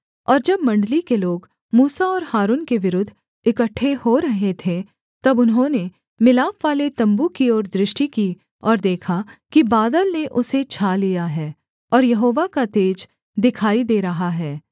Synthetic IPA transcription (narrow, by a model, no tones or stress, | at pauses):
ɔːɾd͡ʒɐbmɐ̃ɳɖlikeloːɡ | muːsaɔːɾhaːɾuːnkeʋɪɾʊd̪ʱː | ɪkəʈʰːehoɾɐɦet̪ʰẽ | t̪ɐbʊnɦõne | mɪlaːpʋaːlet̪ɐ̃mbukiɔːɾd̪ɾɪʃʈiki | ɔːɾd̪eːkʰakibaːd̪əlneʔʊset͡ʃʰaːlijaɦɛː | ɔːɾjɐɦoːʋakat̪eːd͡ʒ | d̪ɪkʰaːid̪eːɾɐɦaɦɛː